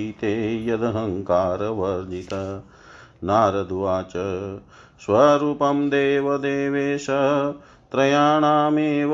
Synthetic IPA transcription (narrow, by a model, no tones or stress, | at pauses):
it̪eːjɐd̪ɐɦɐ̃ŋkaːɾɐʋɐɾd͡ʒit̪ɐ | naːɾɐd̪ʱuʋaːt͡ʃɐ | ʃʋɐɾuːpɐmd̪eːʋɐd̪eːʋeːʃɐ | t̪ɾɐjaːɳaːmeːʋ